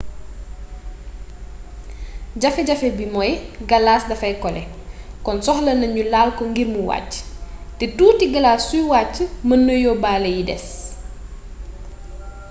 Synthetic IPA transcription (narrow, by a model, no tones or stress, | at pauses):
ɟɐfɛɟɐfɛbimɔjɡɐlaːsdɐfɐjkɔlɛ | kɔnsɔxlɐnɐɲulaːlkɔŋɡirmuwa̰cːtɛtuːtiɡɐlaːsːujwaːcːəmɐnːəjɔbaːlɛjidɛs